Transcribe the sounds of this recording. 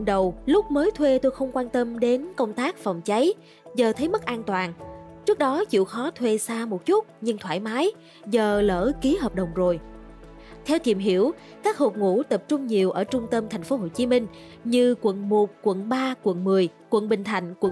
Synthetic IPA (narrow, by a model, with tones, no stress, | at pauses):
ɗə˨˩wlʊ˦˥k͡p̚məː˨˦jt̪ʰwe˧t̪o˧jxə˧wŋ͡mkwaː˧nt̪ə˧mɗe˨˦nkə˧wŋ͡mt̪aː˦˥k̚fɔ˨˩wŋ͡mt͡ɕa˨˦j | zəː˨˩t̪ʰə˨˦jmə˦˥t̚ʔaː˧nt̪waː˨˩nt͡ɕɨ˦˥ək̚ɗɔ˨˦t͡ɕḭ˧˨wxɔ˨˦t̪ʰwe˧saː˧mo˨˩t̚t͡ɕʊ˦˥t̚ɲɨ˧ŋt̪ʰwaː˧˩jmaː˨˦j | zəː˨˩lə̰ː˧˩ki˨˦ɦəː˨˩p̚ɗə˨˩wŋ͡mzo˨˩j | t̪ʰɛ˧wt̪i˨˩mɦi˧˩˥əw | kaː˦˥k̚ho˨˩p̚ŋṵ˧˥t̪ə˨˩p̚t͡ɕʊ˧ŋ͡mɲi˨˩əwʔəː˧˩t͡ɕʊ˧ŋ͡mt̪ə˧mt̪ʰŋ̟fo˨˦ɦo˧˨˩t͡ɕi˨˦mï˧ŋ̟ | ɲɨ˧kwə̰˧˨nmo˨˩t̚kwə̰˧˨nɓaː˧kwə̰˧˨nmɨ˨˩əjkwə̰˧˨nɓï˨˩ŋ̟t̪ʰa˨˧˩jŋ̟kwə̰˧˨